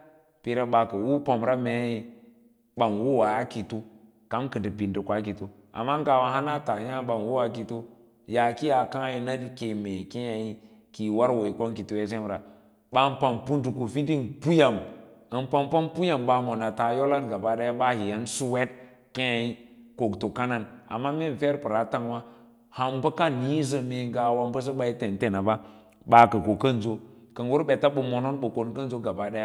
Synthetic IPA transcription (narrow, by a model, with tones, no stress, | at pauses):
pi˨ɾa˦ba˨ka˨wu˦po˨mɾa˦me˨˦i˦ | ba˨nwu˦wa˨a˦ki˨tu˦ | ka˦mkɨ˨di˨pi˨ndi˨kʷa˨˦ki˨tu˦ | a̰˨mːa˦ŋka˨wa˨ɦa˦na˦ta˨ja˦ba˨nwu˦wa˨˦ki˨tu˦ | ja˨ki˦ja˨kã˦i˦na˦di˦ke˨me˨ke˦ja˨ji˦ | ki˨wa˦ɾwo˨i˨ko˦ŋki˨tu˦we˦se˦mɾa˨ | ba˦npa˨mpu˦ndu˨ku˨fi˦di˦npu˦ja˨mə˨n˦pa˦mpa˦mpu˦ja˨mba˨mo˨na˨ta˨jo˦la˦nɡa˨ba˨ɗa˦ja˦ɓa˦hi˨ja˦nsu˦we˦t̚ | ke˦ja˨i˦ko˨kto˨ka˦na˦na̰˨mːa˦me˦n˨fe˦ɾpə˨ɾa˨˦ta˦ŋwa˦ | ha˨mbə˦ka˦ni˦zə˨me˨ŋɡa˨wa˦mbə˦s̬ə˦ɓa˦i˦te˨n˨te˨na˨ba˦ | ɓa˨kə˨ko˨kə˦n˨zo˦ | kə˨nwu˦ɾbe˨ta˦ɓə˨mo˨no˦nɓə˨ko˨nkə˦n˦zo˦ɡa˨ba˨da˦ja˦